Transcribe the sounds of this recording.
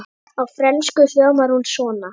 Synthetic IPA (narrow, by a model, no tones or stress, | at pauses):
awfɾɛnskʏljœːɣmaɾhunsvɔːna